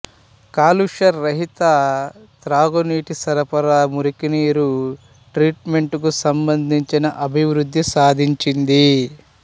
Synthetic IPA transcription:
kaːluʂɐɾːɐɦit̪at̪ɾaːɡoniːʈisɐɾɐpɐɾaːmuɾikiniːɾu | ʈɾiːʈme̞ɳʈukusɐmbɐnd̪ʱiɲt͡ʃinɐʔɐbʱiʋɾud̪ʱːisaːd̪ʱiɲt͡ʃind̪i

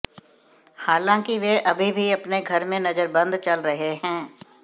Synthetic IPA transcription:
haːlãːkiʋeʔɐbʱibʱiɐpneɡʱɐɾmẽnɐzəɾbɐ̃nd̪t͡ʃɐlɾɐɦeɦɛ̃ː

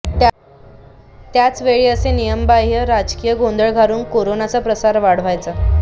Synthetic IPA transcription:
t̪jat͡sʋeɭiːəsenijəmbaɦjəɾad͡ʑkijəɡond̪əɭɡʱaɾuːnkoɾonat͡sapɾəsaɾʋaɽ̤ʋajt͡sa

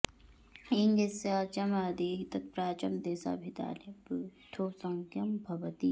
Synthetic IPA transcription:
iŋɡesat͡ʃɐmaːd̪iːt̪ɐt̪̚pɾaːt͡ʃɐmd̪eːsa̰ːbʱit̪a̰ːlibɨt̪ʰoːsɐ̃ŋkɐmbʱɐbɐt̪iː

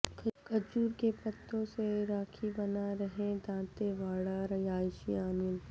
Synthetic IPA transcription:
kʰkɐd͡ʒuːɾkepɐt̪ːõseɾaːkʰibɐnaɾɐɦẽd̪ãːt̪eʋaːɽaɾɐjaːjʃiaːnɪl

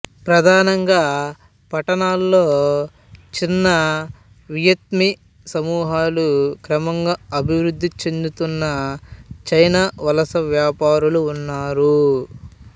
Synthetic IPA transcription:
pɾɐd̪ʱaːnɐŋɡaː | pɐʈɐnaːlːoː | t͡ʃinːɐ | ʋijɐt̪mi | sɐmuːɦaːlukɾɐmɐŋɡaɐbʱiʋɾud̪ʱːit͡ʃe̞nd̪ut̪unːɐt͡ʃɐjnaːʋɐlɐsɐʋjaːpaːɾuluːnːaːɾu

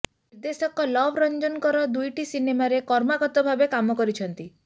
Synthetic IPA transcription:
nniɾd̪esɔkɔlɔbʱɾɔnd͡ʒɔnkɔɾɔd̪ujʈisinemaɾekɔɾmaɡɔt̪ɔbʱabekamɔkɔɾit͡ʃʰɔnt̪i

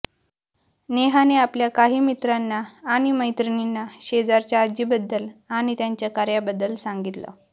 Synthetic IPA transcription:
neɦaneapljakaɦiːmit̪ɾanːaːɽ̃iməjt̪ɾəninːaɕed͡zaɾt͡ɕjaːd͡ʑiːbəd̪ːəlañit̪jaɲt͡ɕjakaɾjabəd̪ːəlsaŋɡit̪lə̰

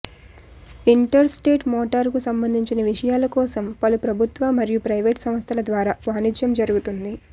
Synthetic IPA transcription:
iɳʈɐɾsʈeːʈmɔːʈɐɾkusɐmbɐnd̪ʱiɲt͡ʃinɐʋiʂɐjaːlɐkɔːsɐmpɐlupɾɐbʱut̪ʋaːmɐɾijupɾɐjʋeːʈsɐmɐst̪ʰɐlɐd̪ʋaːɾaːʋaːnid͡ʒjɐmd͡ʒɐɾuɡut̪und̪i

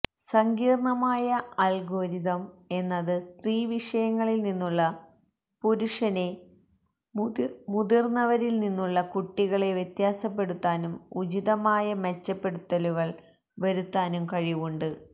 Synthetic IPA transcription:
sɐŋɡiːrɳɐmaːjɐɐlɡo̞ːɾiðɐme̞nːɐðɨst̪riːʋiʂɐjɐŋːɐɭilninːuɭːɐ | puɾuʂɐne̞ | muðirnːɐʋɐɾilninːuɭːɐkuʈːiɣɐɭe̞ʋjet̪jaːsɐpːe̞ɽut̪ːaːnumud͡ʑiðɐmaːjɐmet͡ɕːɐpːe̞ɽut̪ːɐluɣɐɭ | ʋɐɾut̪ːaːnumkɐɻiʋuɳɖɨ

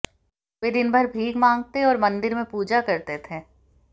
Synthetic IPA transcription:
ʋed̪ɪnbʱɐɾbʱiːɡmãːŋɡ̚t̪eɔːɾmɐ̃nd̪ɪɾmẽpuːd͡ʒakɐɾt̪et̪ʰẽː

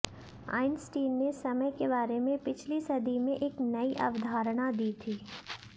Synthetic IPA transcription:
a̰ːɪnsʈiːnːesɐməjkebaːɾemẽpɪt͡ʃʰlisɐd̪ʱimẽʔeknɐiʔɐ̰ʋd̪ʱaːɾɽ̃ad̪iːt̪ʰiː

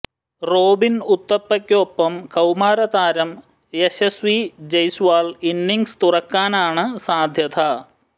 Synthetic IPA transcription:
roːbinut̪ːɐpːɐkʲːoːpːɐmkɐwmaːɾɐt̪aːɾɐm | esesʋid͡ʑɐjsʋaːlinːiŋɡst̪urɐkːaːnaːɳɨsaːd̪ʱjɐt̪ʰɐ

